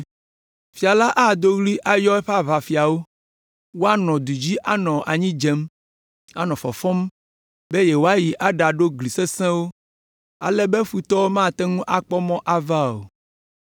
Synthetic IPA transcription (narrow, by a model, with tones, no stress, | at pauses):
fi˨a˨la˦ʔa˦˨d̪o˦ɣli˦ʔa˦jɔ˦ɛ˦ɸa˦βa˨fi˨a˨wo˦ | wo˦a˦nɔ̃˨d̪u˨d͡ʑi˦ʔa˦nɔ̃˨ʔa˨ɲĩ˦d͡ʒe˦m | a˦nɔ̃˨fɔ̰˨fɔ̃˦m | be˦je˨wo˦a˦ji˨ʔa˦ɖa˨ɖo˦ɡli˨se˦sɛ̃˦wo˦ | a̰˨lɛ˦be˦ɸu˨t̪ɔ˦wmã˦˨t̪ɛ˦ŋũ˦ʔa˨k͡pɔ˦mɔ̃˦ʔa˨va˦o̰˨